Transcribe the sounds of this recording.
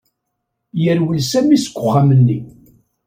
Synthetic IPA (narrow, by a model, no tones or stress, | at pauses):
jəɾwilsæmisə̥kʷːʊχːamənːi